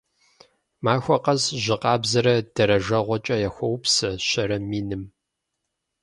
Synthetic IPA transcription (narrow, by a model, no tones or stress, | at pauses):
maːxʷɔqɐzʑɪqɑːbzɐɾɐd̥ɐɾɐʒɐʁʷɔt͡ʃʼɐjɐxʷɔwpsɐɕɐɾɐmiːnɨm